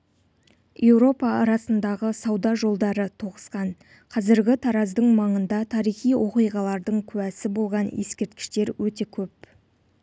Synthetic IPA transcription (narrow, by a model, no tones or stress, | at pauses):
je̞wɾo̞pɑɑɾɑsənd̪ɑʁəsɑwd̪ɑʒo̞lˠd̪ɑɾət̪ʰo̞ʁəsqɑn | qʰɑzɪɾɡʲɪt̪ʰɑɾɑzd̪əɴmɑɴənd̪ɑt̪ʰɑɾijχijwʔo̞qijʁɑlˠɑɾd̪əɴkʲʰʉwæsɪbo̞lˠʁɑnje̞skʲe̞ɾt̪̚kʲɪ̥ʃt̪e̞ɾwɵt̪e̞kʲʰɵp̚